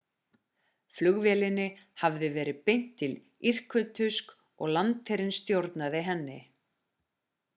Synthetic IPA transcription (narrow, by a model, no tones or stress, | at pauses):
flʏɣvɛlɪnːɪhavðɪvɛːɾɪpejn̥t̪ʰːɪl | ir̥kʏt̪ʰʏsk | ɔɣlant̪ʰɛɾɪnst̪jowɾt̪naðɪɦɛnːɪ